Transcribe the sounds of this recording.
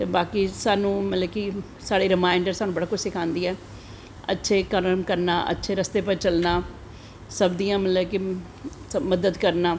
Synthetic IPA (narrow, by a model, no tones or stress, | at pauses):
t̪eːbaːkiːsaːnũːmət̪ləbki | saːɽeːɾɪmaːɪɳɖəɾsaːnũːbəɽaːkʊd͡ʒsɪkʰãːnd̪iːɛː | ə̰tːʃʰeːkəɾəmkəɾnaːʔə̰tːʃʰeːɾəst̪eːp̬ət͡ʃəlnaː | səbd̪iːãːmət̪ləbki | məd̪əd̪kəɾnaː